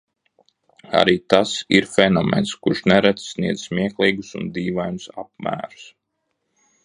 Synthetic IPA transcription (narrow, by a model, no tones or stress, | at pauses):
a̰ɾiːt̪asiɾfɛnomɛ̰nskuɾʃnɛɾɛt̪ssːniɛd̪zsmʲiɛklˠiːɡusṵnd̪iːʋajnusap̚mæ̰ːɾu̥s